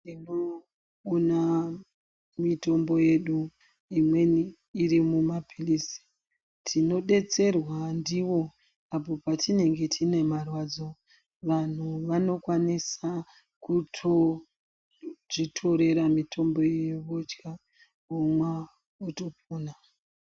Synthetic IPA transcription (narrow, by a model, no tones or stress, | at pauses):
tinoː | na | mito̞mbo̞je̞ɗu | imwe̞niː | ɾimumapʰilisi̥ | tʰino̞ɗe̞t͡se̞rwandiʋo̞ | apo̞patine̞ŋɡe̞tʰine̞marwad͡zo̞ | ʋan̤uʋano̞kwanisa | kutʰo | ʐitʰo̞ɾe̞ɾamitʰo̞mbo̞jeʋod͡ʒɡa | omwa | uto̞puːna